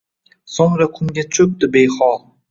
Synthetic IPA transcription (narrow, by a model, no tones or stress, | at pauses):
soŋɾakʰʊŋɡʲat͡ʃʰɵk̚d̪ɪbejχɒlˠ